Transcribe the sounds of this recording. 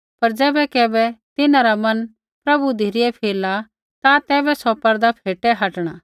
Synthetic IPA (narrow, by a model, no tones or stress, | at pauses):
pɐɾd͡ʒɛːbɛkɛːbɛt̪ɪnãɾamɐn | pɾɐbud̪ʱiɾɪɛpʰeːla | t̪at̪ɛːbɛsɔpɐɾd̪apʰeːʈɛɦɐʈɽ̃aː